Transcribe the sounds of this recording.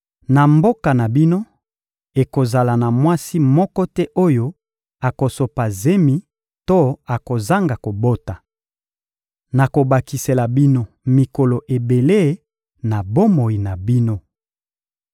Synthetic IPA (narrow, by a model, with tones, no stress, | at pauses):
na˨mbo˦ka˨na˨bi˦no˦ | e˨ko˨za˨la˨na˨mwa˦si˦mɔ˦kɔ˦tɛ˦ʔo˦jo˦ | a˨ko˨so˨pa˨ze˦mi˨˦ | to˦a˨ko˨za˦ŋɡa˨ko˨bo˦ta˨ | na˨ko˨ba˨ki˨se˨la˨bi˦no˦ | mi˨ko˨lo˨ʔe˨be˨le˦ | na˨bo˦mo˨i˨na˨bi˦no˦